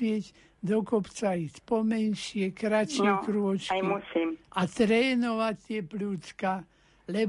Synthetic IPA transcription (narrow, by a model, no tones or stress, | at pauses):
ɪɛɟ | d̪ɔkɔpt͡saiːspɔmɛnʃɪɛkɾat͡ʃjɛkɾuɔt͡ʃkiusiat̪ɾɛːnɔʋacʲt̪ːɪɛpluːt͡ska | lɛ